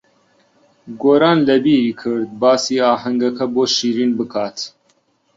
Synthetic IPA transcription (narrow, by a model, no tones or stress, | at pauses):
ɡoːɾaːnlɐbiːɾiːkʰɨɾd̪̚bɑːsiːɑːhɐŋɡɐkʰɐboːʃiːɾiːnbɨkʰɑːt̪